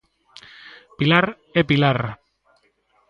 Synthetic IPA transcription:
pilaɾ | epilaɾ

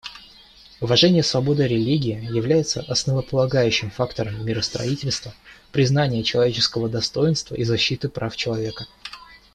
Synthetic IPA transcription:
ʊvɐʐɛnʲɪjəsvɐbo̞d̪əɾʲɪlʲiɡʲɪjɪjɪvlʲæjɪt̪sə̰ʔɐsnəvəpəlˠɐɡajʉɕːɪmfakt̪əɾəmːʲɪɾəst̪ɾɐ̰itʲɪlʲst̪vəpɾʲɪzn̪anʲɪjət͡ɕɪlˠɐvʲet͡ɕɪskəvəd̪ɐst̪o̞jɪnst̪və̰ʔizɐɕːit̪ɨpɾʔaft͡ɕɪlˠɐvʲe̞kə

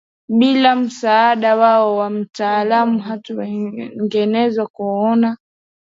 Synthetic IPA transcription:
ɓilam̩saːɗawaɔwam̩taːlamuɦatuwɛŋɡɛnɛzwakuɔna

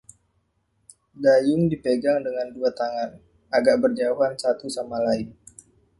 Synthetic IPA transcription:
ɡajʊŋdipeɡaŋdəŋanduat̪aŋan | aɡaʔbərd͡ʒauɦansat̪usamalaɪn

